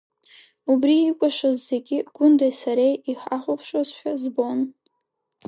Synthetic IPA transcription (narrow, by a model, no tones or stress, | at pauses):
ubriːkʷʼaʂazːeɡʲɪɡ̥ʊndejsaɾejiħaχʷʊpʰʂwazħʷᶣazbo̞n